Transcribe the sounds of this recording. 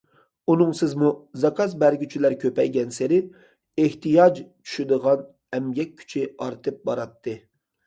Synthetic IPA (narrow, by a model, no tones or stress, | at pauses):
unɨŋsɪzmuzɑkʰɑzbæɾɡʲyt͡ʃʰilæɾkʲʰøpɛjɡʲɛnseɾɪ | eht̪ɨjɑd͡ʒt͡ʃʰy̥ʃyd̪əʁɑn | ɛmjʲɛk̚ʲʰːy̥t͡ʃʰɪɑɾt̪ʰɨp̚bɑɾɑt̪ʰːɨ